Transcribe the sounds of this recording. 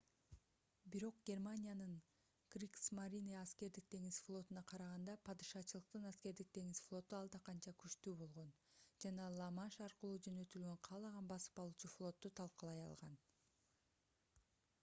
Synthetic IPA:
biɾo̞qɡʲe̞rmanʲijanɯɴ | ɡ̥rʲiksmaɾʲiniɑske̞ɾd̪ik̚t̪e̞ŋisflˠo̞t̪unɑqʰɑɾɑʁɑnd̪ɑpʰɑd̪ɯʃɑt͡ʃɯlˠɯq̚t̪ɯnɑske̞ɾd̪ik̚d̪e̞ŋisflˠo̞t̪uɑlˠd̪ɑqɑnt͡ʃɑkʰyʃt̪yːbo̞lˠʁo̞nd͡ʒɑnɑlˠɑmɑnʃɑɾqɯlˠuːd͡ʒønø̞t̪ylɡøɴqʰɑːlˠɑʁɑnbɑsɯ̥pɑlˠuːt͡ʃuflˠo̞t̪ːut̪ʰɑlˠqɑlˠɑjɑ̰lˠʁɑn

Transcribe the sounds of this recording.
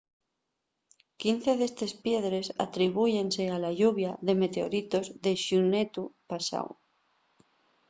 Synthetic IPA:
kin̟θe̞ðe̞st̪e̞spje̞ðɾe̞sa̰t̪ɾiβ̞uʝe̞nse̞alaʎuβ̞jaðe̞me̞t̪e̞o̰ɾit̪o̞zðeʃunet̪upasa̰w

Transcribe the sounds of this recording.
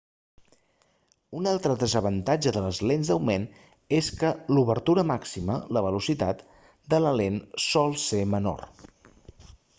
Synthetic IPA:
unalˠt̪ɾəðəzəβənt̪ad͡ʒəðələzlenzd̪əwmen | eskəluβəɾt̪uɾəmaksimə̰ləβəlusit̪a̰t̪ | d̪ələlensɔlˠseməno̰r

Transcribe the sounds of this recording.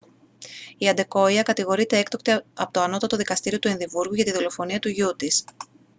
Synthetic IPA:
iɐnd̪e̞ko̞iɐkɐt̪iɣo̞ɾit̪e̞ekt̪o̞kt̪iɐpot̪o̞ɐno̞t̪ɐt̪o̞ðikɐst̪iɾio̞t̪ue̞nðivuɾɣuʝɐt̪iðo̞lo̞fo̞niɐt̪uʝut̪is

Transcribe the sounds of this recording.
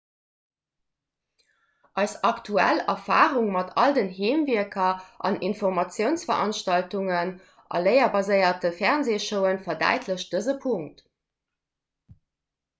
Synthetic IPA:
ʔɑɪsɑktʰuæ̰lɐfa̰ːʁuŋmɑtʰɑldənɦeːmviəkʰɐʔɑ̰ninfoʁmɑt͡sjəʊnsfɐʁʔɑnʃtɑltuŋən | ʔɑ̰ləɪɐbɑzəɪɐtəfɛʁnzeːʃəʊənfɐdæ̰ɪtʰləɕd̥əzəpʰuŋt

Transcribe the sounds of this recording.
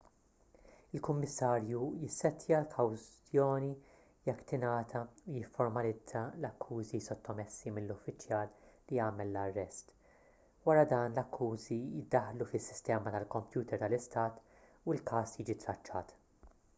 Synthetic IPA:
ɪlkʊmːɪsːɐːɾjujɪsːɛt̪jɐlkʰɐwzt̪jɔːni | jɛkːt̪ɪnɐːt̪ʰɐujɪfːɔɾmɐlɪd͡zɐlɐkʰːuːzisɔt̪ːɔmɛsːimɪllːʊfːɪt͡ʃːjɐːlːijɐːmɛlːɐrːɛst̪ | wɐɾɐd̪ɐːnlɐkʰːuːzijɪd̪ːɐħlufɪsːɪ̥st̪ɛːmɐt̪ɐlkɔmpjuːt̪ɛɾt̪ɐlɪst̪ɐːt̪ | uɪlkɐːsjiːd͡ʒit̪ɾɐt͡ʃːɐ̰ːt̪

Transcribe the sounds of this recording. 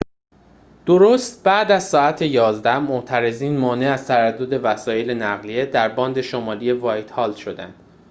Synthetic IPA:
d̪̥o̞ɾost̪bæːd̪æzsɒːæt̪ʰe̞jɒːzd̪æhmoʔt̪ʰæɾe̞ziːnmɒːneæz̥t̪ʰæɾæd̪ːo̞d̪e̞væsɒːje̞lenæɣlije̞d̪æɾbɒːnd̪e̞ʃomɒːlije̞vɒjt̪hɒːld̪̥ʃo̞d̪ænd̪̥

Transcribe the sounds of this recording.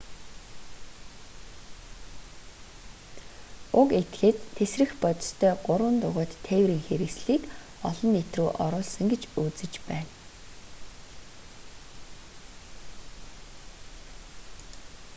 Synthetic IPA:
ʊket̪xeːt̪ʰːesrɘ̆xpɔt̪̆ʲst̪ʰœːɢʊɾwə̆nt̪ʊʁʊːt̪ʰːewɾiːŋxeɾɘ̆ksɮiːk | ɔɮɞ̆nːet̪ruːʔɔɾʊːɮsɞ̆ŋɡet͡ɕuːt͡sɘ̆t͡ɕpæːn

